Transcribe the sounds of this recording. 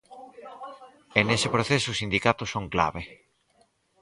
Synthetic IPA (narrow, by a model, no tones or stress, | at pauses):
enesɪpɾoθesʊːsind̪ikat̪ʊsoŋkla̰βe